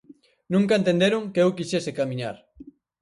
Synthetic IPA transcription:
nũŋkaent̪end̪eɾoŋkeewkiʃesekamĩɲaɾ

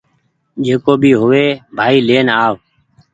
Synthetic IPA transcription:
d͡ʒeːkoːbʱiːɦʊʋeːbʱaːiːleːnaːʋ

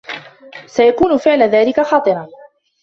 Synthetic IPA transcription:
sajakuːnʊfɪʕlaðaːlɪkaxɑːt̪ˤɨɾˤɑn

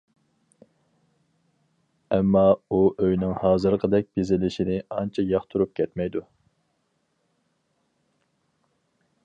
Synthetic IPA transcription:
ɛmːɑuʔøjnɪŋhɑːzɨɾqʰəd̪ɛk̚ʲb̥ezɪlɪʃinɪɑnt͡ʃʰɛjɑχt̪ʰuɾup̚kʲʰɛt̪mɛjd̪u

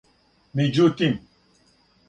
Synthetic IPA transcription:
mid͡ʒut̪im

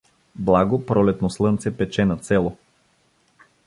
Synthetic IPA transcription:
blˠaɡopɾɔlɛt̪noslˠɤnt̪sɛpɛt͡ʃɛnɐt̪sɛlˠo

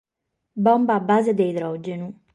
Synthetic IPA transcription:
bɔmbaːbːaːzed̪eid̪ɾɔd͡ʒenu

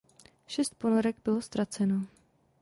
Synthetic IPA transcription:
ʃɛst̪̚ponoɾɛɡbɪlo̞st̪ɾat͡sɛno̞

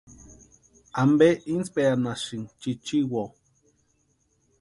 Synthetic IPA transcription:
ambeʔint͡speanaʃiŋt͡ʃit͡ʃiwo

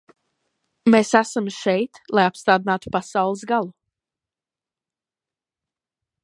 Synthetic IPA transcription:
mesæsamʃɛjt̪lˠajapst̪aːd̪inaːt̪u̥pasawlˠɨs̬ɡalˠu

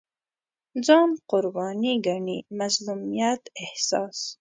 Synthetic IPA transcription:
d͡zɑːmqʊɾbɑːniɡaɳimazlumijat̪ehsɑːs

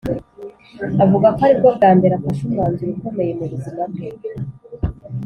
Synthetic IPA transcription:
avuɡakoaɾib̚ɡab̚ɡaːmbeɾafaʃumaːɲzuɾiko̞me̞jemuɾuzimabɡe

